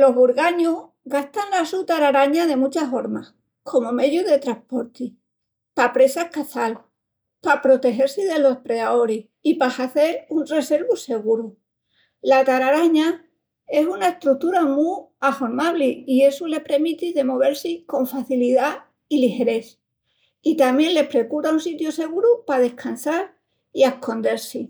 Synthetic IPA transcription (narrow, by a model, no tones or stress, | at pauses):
lo̞ɦβuɾɣaɲuh | ɣaht̪anlasut̪aɾaɾaɲaðe̞mut͡ʃafo̞ɾma | kʰo̞mome̞ðjuðe̞t̪ɾahpo̞ɾt̪i | papɾe̞sahkaθalu | papɾo̞t̪e̞xe̞ɾsiðe̞lo̞hpɾe̞ðao̞ɾi | ipaxaθe̞ɾunre̞se̞ɾβuse̞ɣuɾu | lakaɾaɾaɲa | e̞sunae̞ht̪ɾuk̚t̪uɾamu | afoɾmaβliie̞sule̞pɾe̞mit̪iðe̞mo̞β̞e̞ɾsiko̞ɱfaθiliða | ilixe̞ɾe̞θ | it̪amjẽ̞nle̞hpɾe̞kuɾaunsit̪jose̞ɣ̞uɾupað̞e̞hkansaɾ | ie̞hko̞nd̪e̞ɾsi